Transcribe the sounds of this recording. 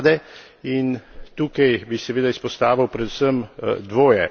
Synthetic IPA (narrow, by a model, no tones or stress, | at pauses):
d̪ɛ | int̪uːkajbisɛʋeːd̪aispɔst̪aːʋiwpɾɛd̪usəmd̪ʋoːjɛ